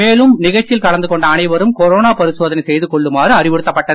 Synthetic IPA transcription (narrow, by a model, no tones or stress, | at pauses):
eːlɯmnɪɣɐt͡ʃːɪlkɐɭɐnd̪ɯkɔɳɖɐːnɐɪʋɐɾɯmkɔɾoːnaːpɐɾɪsoːðɐnɐɪsɛjðɯkɔɭːɯmaːrɯɐrɪʋɪɽɯt̪ːɐpːɐʈːɐ